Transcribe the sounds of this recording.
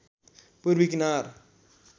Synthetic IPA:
puɾbikinaːɾ

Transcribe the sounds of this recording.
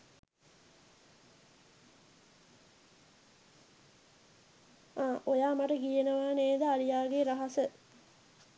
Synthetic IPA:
ʔojaːmaʈəɡijenəʋaːneːd̪əaɾijaːɡeɾaɦasə

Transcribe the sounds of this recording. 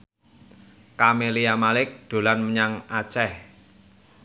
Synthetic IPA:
kameliamalɪk̚d̪̥o̤lanməɲaŋat͡ʃɛh

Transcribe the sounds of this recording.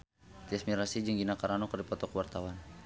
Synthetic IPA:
t̪iasmiɾasid͡ʒɨŋɡinakaɾanɔkərdipɔt̪ɔkəwart̪awan

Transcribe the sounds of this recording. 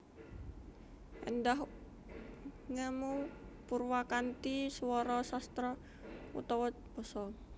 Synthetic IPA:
ʔə̰ndaɦ | ŋəmupurwakant̪isuwɔɾɔsast̪ɾɔ | ṵt̪ɔwət̪̚b̥ɔsɔ

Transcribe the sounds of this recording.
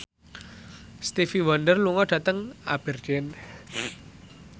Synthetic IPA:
st̪ifiwandərluŋɔɖ̥ä̤t̪əŋa̰b̥ə̤rd͡ʒɛn

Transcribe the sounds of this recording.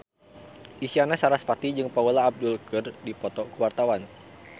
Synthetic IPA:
ʔisianasaɾasfat̪id͡ʒɨŋpaulaːb̚dulkɨrdipɔt̪ɔkuwart̪awan

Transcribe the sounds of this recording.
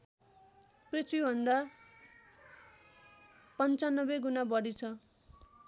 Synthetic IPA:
prit͡sʰwibʱʌnd̪a | pʌnt͡sanːʌbeɡunabʌɾit͡sʰʌ

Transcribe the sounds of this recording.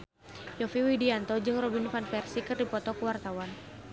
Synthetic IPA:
jɔfiwidiant̪ɔd͡ʒɨŋrɔbinfanpɛrsikɨrdipɔt̪ɔkəwart̪awan

